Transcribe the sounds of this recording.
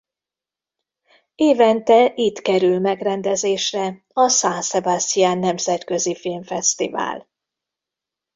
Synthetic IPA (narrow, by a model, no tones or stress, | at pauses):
eːvɛnt̪ɛʔit̪kɛɾylmɛɡrɛnd̪ɛzeːʃrɛ | ɒsaːnsɛbast̪ijaːnːɛmzɛt̪kø̞zifilɱfɛst̪ḭva̰ːl